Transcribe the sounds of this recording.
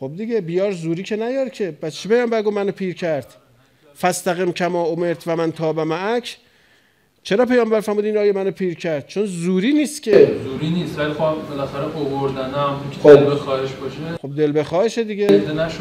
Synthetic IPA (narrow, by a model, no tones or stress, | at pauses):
xob̚d̪iɟebijɒːɾzuːɾiːcʰenæjɒːɾcʰe̞bæt̪t͡ʃʰepejɒːmbæɾɡomænopʰiːɾcʰæɾd̪̥ | fæst̪æɣimcʰæmɒːomeɾt̪ʰvæmænt̪ʰɒːbæmæʔækʰ | t͡ʃʰeɾɒːpejɒːmbæɾfæɾmuːd̪inɒːjemænopʰiːɾcʰæɾd̪̥̚t͡ʃʰonzuːɾiːniːst̪kʲʰezuːɾiːniːst̪vælixɒbelæxæɾeʔovoɾd̪ænæmiŋkʰed̪elbexɒːheʃbɒːʃexob̚d̪e̞lbe̞xɒːheʃed̪iɟed̪enæʃo